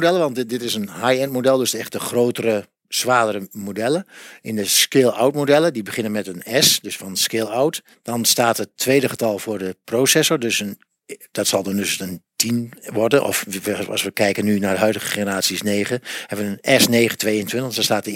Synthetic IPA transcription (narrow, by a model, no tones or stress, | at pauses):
dɛlˠəʋɑntdɪtɪsənhajɛntmodɛlˠdøsdəɛxt̚dəχroːwtərə | sʋaːdərəmodɛləɪndəskɪlˠa̰wtmodɛlˠədibəχɪnənmɛtənɛsdøsfɔnskɪlˠawt | d̥ɔnstaːtətʰːʋeːdəχətɑlˠvʊːrdəprowsɛsoɹdøsən | d̥ɔtsɑlˠdɑndøsəntʰinʋɔrdənʔɔ̰fɑ̰sʋəkɛjkənynaːrdəɦœɥdəɣəχenəɾaːsjiəsneːχəhɛbəʋənənɛsneːχətʋeːəntʰʋɪntədɔnstaːt